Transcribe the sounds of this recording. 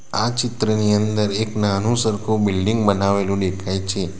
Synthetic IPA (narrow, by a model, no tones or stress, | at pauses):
at͡ʃɪt̪ɾəniənd̪əɾeknanũsəɾkʰobɪlɖiŋɡbənaʋelũɖekʰajt͡ʃʰe